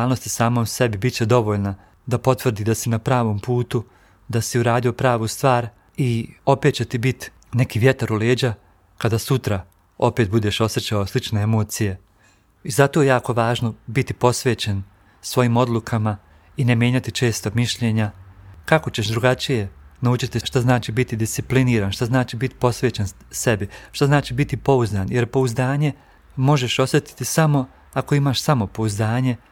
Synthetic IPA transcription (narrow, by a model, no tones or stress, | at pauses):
alno̞st̪isaːmause̞bibitt͡ɕed̪o̞ʋo̞ːʎna | d̪apo̞t̪ʋr̩d̪iːd̪asinapɾaːʋo̞ːmpuːt̪u | d̪asiuɾaːd̪io̞pɾaːʋuːst̪ʋaːɾ | io̞pet̪t͡ɕet̪ibit̪ | ne̞kiːʋje̞t̪aɾuleːd͡ʑa | kad̪asut̪ɾa | o̞pet̪̚bud̪e̞ʃo̞sjet͡ɕaoslˠit͡ʃne̞emo̞ːt̪sije̞ | izat̪o̞ːjejaːko̞ʋaːʒno̞bit̪ipo̞sʋe̞ːt͡ɕe̞n | sʋo̞jiːmo̞d̪lˠukʰama | inemjeːɲat̪it͡ʃe̞ːst̪o̞miʃʎe̞ːɲakako̞t͡ɕe̞ʃd̪ɾuɡat͡ʃije̞naut͡ɕit̪iʃt̪aznaːt͡ʃiːbit̪id̪ist̪ipliniːɾaːnʃt̪aznaːt͡ʃiːbit̪i̥po̞sʋeːt͡ɕen | se̞biʃt̪oznaːt͡ʃiːbit̪ipo̞uzd̪aːnjeɾpo̞uzd̪aːɲe̞ | mo̞ʒe̞ʃo̞sʋje̞t̪i̥t̪isamo̞ | ako̞imaːʃsamo̞po̞uzd̪aːɲe̞